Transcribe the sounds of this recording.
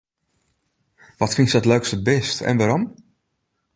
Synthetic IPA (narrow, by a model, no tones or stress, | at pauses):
ʋɔtfinsɔtløɥkstəbɪstʰɛ̰nʋaɾɔm